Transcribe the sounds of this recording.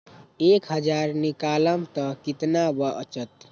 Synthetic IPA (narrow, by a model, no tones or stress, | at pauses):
ekɦəd͡ʒaɾnikaləmt̪ʌkit̪nabʌʔə̰t͡ʃət̪̚